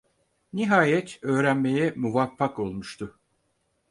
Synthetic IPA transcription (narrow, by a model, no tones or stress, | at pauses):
niɦaːjɛt̪ʰø̞ːɾænme̞jɛmuvafːako̞lˠmuʃt̪ʰʊ